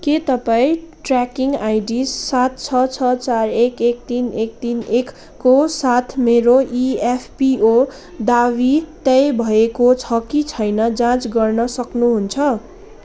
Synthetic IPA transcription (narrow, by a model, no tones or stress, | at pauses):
ket̪ʌpaĩʈrakiŋajɖisːat̪̚ʰt͡sʰʌt͡sʰʌt͡sarekek̚t̪inek̚t̪inekː | osat̪ʰmeɾoʔiepʰpio | d̪awit̪ʌjbʱʌekot͡sʰʌkit͡sʰʌjnʌd͡zãt͡sɡʌrnʌsʌknuɦunt͡sʰʌ